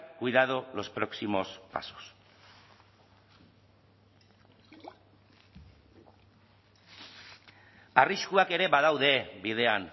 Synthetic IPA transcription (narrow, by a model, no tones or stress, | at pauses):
kujðaðolo̞spɾo̞ksimo̞spa̰so̥s | ariskuake̞ɾe̞βaðawðe̞bið̞e̞an